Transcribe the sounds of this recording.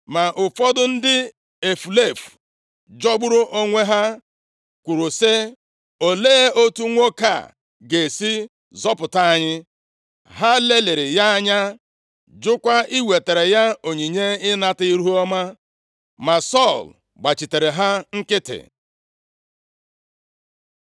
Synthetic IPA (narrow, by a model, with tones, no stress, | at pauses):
ma˨ʔʊ˨fɔ˦dʊ˦n̩˦dɪ˦ | e˨fu˨le˦˨f | d͡ʒɔ˦ɡ͡bʊ˦ɾʊ˦ʔo˦ŋʷe˦ɦa˦ | kʷu˨ɾu˨se˦ | o˨leː˦e˦o˦tu˦ŋʷo˦ka̰˦˨ | ɡe˨si˦ | zɔ˦pʊ˨ta˦a˦ɲɪ˦ | ɦa˦le˦le˨ɾɪ˨ja˦a˦ɲa˦ | d͡ʒʊ˦kʷa˦i˦we˨te˨ɾe˨ja˦o˨ɲi˨ɲe˦ɪ˦na˦tɪ˦i˦ɾu˦u˦ɔ˦ma˦ | ma˨sɔ˦˨l | ɡ͡ba˨t͡ʃi˨te˨ɾe˨ɦa˦ŋ̩˦kɪ˦tɪ̰˨